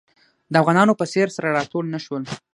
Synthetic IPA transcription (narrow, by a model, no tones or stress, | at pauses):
d̪əafɣɑnɑnopəseɾsaɾaɾɑt̪oɽnaʃwəl